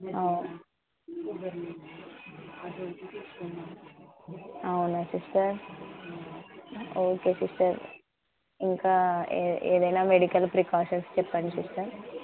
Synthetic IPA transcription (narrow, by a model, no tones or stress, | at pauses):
ɐn | ɐwunɐsisʈɐɾ | oːkeːsisʈɐɾ | iŋkaːeːd̪ɐjnaːmeɽikɐlpɾikaːʃɐnst͡ʃɛpːɐɳɖisisʈɐɾ